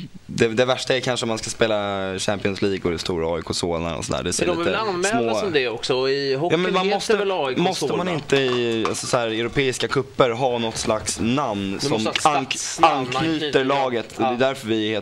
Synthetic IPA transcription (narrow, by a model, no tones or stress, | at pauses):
d̪ɛd̪ɛvæʂʈaɛɾkʰanʂəɔmanskaspeːlaɕæmpɪɔnsliːɡɔd̪ɛst̪uːɾaɑʏɪkʰosoːla̰ɾɔ̰sɔnd̪æ̰ːɖɛsɛmɛsmomd̪ɛɔksɔɪhɔjɑːmɛnmanmɔst̪əmɔst̪əmanɪnt̪əɪa̰lsɔsɔæːɾɛʊɾʊpʰeːɪskakʰɵpːəɾɦɑːnɔt̪ːslaksnamnsɔmaanknyːt̪əɾɭɑːɡət̪ʰɔdd̪ɛjd̪æɾfœɾvɪheː